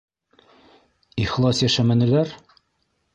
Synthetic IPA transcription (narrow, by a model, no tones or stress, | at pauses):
iχlˠɑsjæʃæmæ̆nɘ̆læɾ